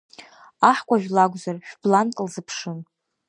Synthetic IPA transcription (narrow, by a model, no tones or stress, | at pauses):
aħkʷʼaʒᶣlaɡʷʼzarʃᶣb̥lantʼlzɨpʰʂɨn